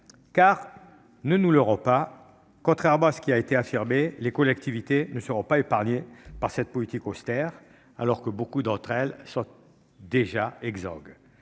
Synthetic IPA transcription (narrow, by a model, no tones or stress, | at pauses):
kaʁ | nənuləʁɔ̃pa | kɔ̃t̪χɛʁmɑ̃asə̥kʲiaet̪eafiʁmelekɔlɛkt̪ivit̪enəsəʁɔ̃paepaʁɲepaʁsɛt̪̚pɔlit̪ikɔst̪ɛʁ | a̰lɔʁkəbokud̪ɑ̃t̪χɛlsɔ̃t̪ | d̪eʒaɛɡzɔ̰ɡ